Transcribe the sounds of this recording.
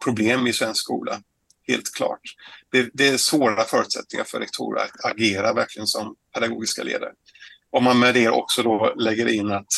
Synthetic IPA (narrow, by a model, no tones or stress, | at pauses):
pʰɾʊbleːmɪsvɛnskskṵːla | heːlt̪kʰlɑ̰ːʈd̪̥ɛd̪ɛːsvoːɾaɾəfœːɾʉt̪sɛ̰t̪̚nɪŋa̰ɾfœɾɛkt̪ʰṵːɾ̰ɾa̰t̪ʰaɡeːɾavæɾkʰlɪɡənsɔmpʰɛd̪aɡoːɡɪska̰lḛːd̪a̰ɾ | ʔɔmːanmɛd̪eɾʔɔ̰ksɔd̪ɔlɛɡːəɾɪnːat̪